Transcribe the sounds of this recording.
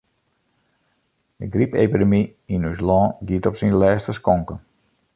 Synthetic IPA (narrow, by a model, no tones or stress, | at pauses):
də̰ɡripepidəmiinyslɔːɡiətɔpsinlɛːstəskɔŋkə